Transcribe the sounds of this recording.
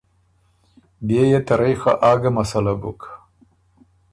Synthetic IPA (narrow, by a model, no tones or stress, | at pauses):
bejet̪aɾajxa̰ʔaːɡamasalabṵk